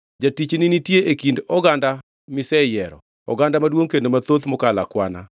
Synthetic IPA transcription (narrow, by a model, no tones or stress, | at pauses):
d͡ʒatit͡ʃninitjeʔekindɔɡanda | mɪsɛjɛɾɔ̰ | ɔ̰ɡandamadwoŋkendomat̪ot̪mɔkala̰kwana̰